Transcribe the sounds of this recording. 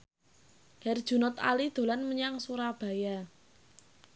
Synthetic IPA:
hɛrd̥ʒ̥ṳnɔt̪a̰lid̪̥o̤lanməɲaŋsuɾab̥a̤ja

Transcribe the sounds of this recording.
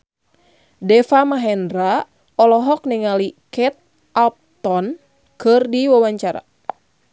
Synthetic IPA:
dɛfamaɦɛndɾa | ɔlɔɦɔk̚nɛŋalikɛt̪̚ | alp̚t̪ɔn | kɨrdiwawaɲt͡ʃaɾa̰

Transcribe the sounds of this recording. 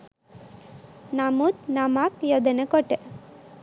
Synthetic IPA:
namut̪̚namakjɔd̪enekɔʈe

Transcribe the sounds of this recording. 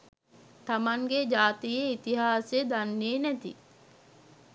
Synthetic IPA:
t̪amaŋɡed͡ʒaːt̪ijeit̪iɦaːsed̪anːeːnæt̪ḭ

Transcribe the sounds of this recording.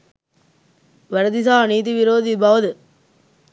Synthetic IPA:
ʋɐɾɐd̪isaːniːt̪iʋɪɾoːd̪ibaːʋɐðɯ

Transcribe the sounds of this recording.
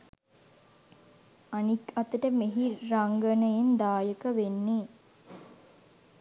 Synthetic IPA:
anikɐt̪əʈəmeɦiɾaŋɡənəjend̪aːjəkəʋenːe

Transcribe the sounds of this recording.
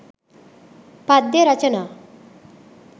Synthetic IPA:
pad̪jeɾat͡ɕəna

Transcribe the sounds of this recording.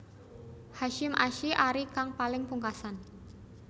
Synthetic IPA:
haʃɪmʔaʃiʔaɾikaŋpalɪŋpuŋkasan

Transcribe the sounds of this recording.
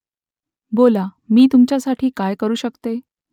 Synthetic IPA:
bolamiːt̪umt͡ɕjasaʈʰiːkajkəɾuːɕəkt̪e

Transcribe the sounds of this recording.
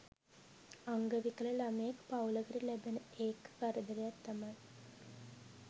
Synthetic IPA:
aŋɡəʋikələlaməjekpawləɡəɾilæbenəeːkʋaɾəd̪əɾejat̪ːamaj

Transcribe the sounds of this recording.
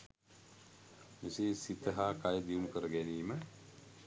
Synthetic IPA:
miseːsit̪əɦaːkajəd̪iunukəɾəɡæniːmə

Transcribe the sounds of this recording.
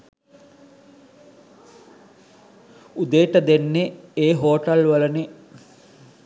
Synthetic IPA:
ud̪eːʈəd̪enːeeːɦoːʈɐlʋɐləne

